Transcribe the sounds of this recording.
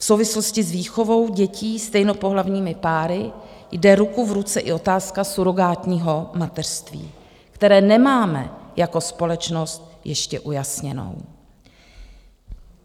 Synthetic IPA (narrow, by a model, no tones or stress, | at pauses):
fsowvɪslo̞scɪzviːxo̞vo̞wɟɛciːst̪ɛjno̞po̞ɦlavɲiːmɪpaːɾɪ | jdɛɾukuvɾut͡sɛʔɪ̰ʔo̞t̪aːskasuɾo̞ɡaːt̪ɲiːɦo̞mat̪ɛr̥st̪vḭː | kt̪ɛɾɛːnɛmaːmɛ̰jako̞spo̞lɛt͡ʃno̞st̪̚jɛʃcɛʔujasɲɛno̰w